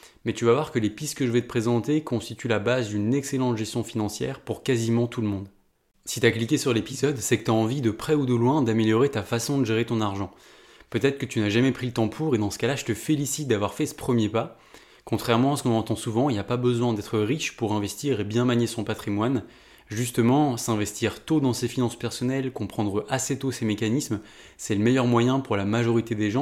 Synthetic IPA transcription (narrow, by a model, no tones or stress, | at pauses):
mɛt̪yvavwaʁkəlepist̪kəʒəvɛt̪əpχezɑ̃t̪ekɔ̃st̪it̪ʰylabazd̪ynɛkselɑ̃t̪ʒɛst̪jɔ̃finɑ̃sjɛ̰ːʁpuʁkazimɑ̃t̪ʰuləmɔ̃d̪ | si̥t̪yaklikʲesyʁlepizɔd̪sɛkət̪yaɑ̃vid̪əpχɛud̪əlwɛ̃d̪ameljɔʁet̪afasɔ̃d̪əʒeʁet̪ɔ̃naʁʒɑ̃ | pøt̪ɛt̪χə̥kət̪ynaʒamɛpχilət̪ɑ̃pʰuʁed̪ɑ̃sə̥kalaʒət̪əfelisit̪̚d̪avwaʁfɛsə̥pχəmjepa | kɔ̃t̪χɛʁmɑ̃asə̥kɔ̃nɑ̃t̪ɑ̃suvɑ̃ilapabəzwɛ̃d̪ɛt̪χəʁiʃpuʁɛ̃vɛst̪iʁebjɛ̃maɲesɔ̃pat̪χimwan | ʒyst̪əmɑ̃sɛ̃vɛst̪iʁt̪od̪ɑ̃sefinɑ̃spɛʁsɔnɛlkɔ̃pχɑ̃d̪ʁəʔaset̪osemekanism | sɛləmɛjœʁmwajɛ̃puʁlamaʒɔʁit̪ed̪eʒɑ̃